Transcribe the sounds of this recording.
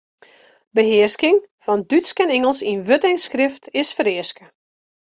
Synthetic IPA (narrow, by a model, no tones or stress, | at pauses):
bəɦɪəskɪŋfɔndytskɛnɪŋəlˠsinʋøtɪŋskrɪftʰɪsfəɾɪəskə